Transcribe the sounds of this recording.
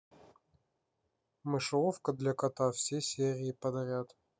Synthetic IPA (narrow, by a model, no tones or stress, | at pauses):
mɨʂɨofkəd̪lʲɐkɐt̪afsʲesʲeɾʲɪːpəd̪ɐɾʲat̪